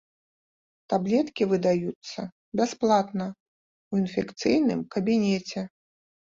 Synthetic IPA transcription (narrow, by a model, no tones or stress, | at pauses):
t̪ablʲɛt̪kʲivɨd̪ajut̪sːɐ | bʲasplˠat̪nɐ | winfʲɛkt̪sɨjnɨ̰mkɐbʲinʲɛt͡sʲɛ